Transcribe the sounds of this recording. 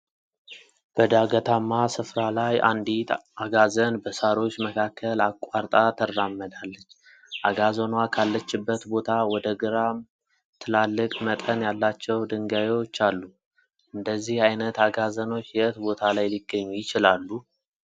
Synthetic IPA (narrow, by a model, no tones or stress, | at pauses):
b̥əd̪aɡət̪ʰamːasɨfɾalaja̰nd̪it̪aɡazənbəsaɾo̞t͡ʃːməkʰakʰːəlakʷʼwaɾt̪ʼat̪ʰərːamːəd̪alːət͡ʃː | ʔaɡazonwakʰalːət͡ʃːɪbːət̪bo̞t̪ʰawɔd̪əɡɨɾam | t̪ʰɨlalːɨkʼmət̪ʼənjalːat͡ʃːɛwd̪ɨŋɡajewot͡ʃːalːu | ʔɨnd̪əzːihajnət̪aɡazəno̞t͡ʃːjɛʔɨt̪bo̞t̪ʰalajlɪɡːəɲːujɪt͡ʃɪlalːu